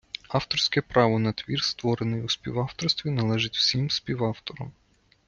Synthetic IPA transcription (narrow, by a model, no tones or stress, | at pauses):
ɑft̪ɔrsʲkɛpɾɑʋɔnɐt̪ʋʲirst̪ʋɔɾenɪjuspʲiwɑwt̪ɔrst̪ʋʲinɐlˠɛʒɪtʲw̥sʲimspʲiwɑft̪ɔɾɔm